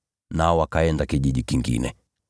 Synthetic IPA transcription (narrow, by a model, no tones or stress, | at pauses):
naɔwakaɛndakiʄiʄikiŋɡḭnɛ̰